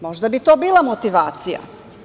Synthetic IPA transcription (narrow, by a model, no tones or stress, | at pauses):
mo̞ʒd̪abit̪oːbiːlˠamot̪iʋaːt̪sija̰